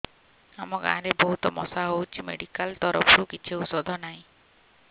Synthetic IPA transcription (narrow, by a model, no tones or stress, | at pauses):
amɔɡã̰ːɾebɔɦut̪ɔmɔsaɦowt͡ʃʰimeɽikalt̪ɔɾɔ̰pʰɔɾukit͡ʃʰiusɔd̪ʱɔnaɦĩ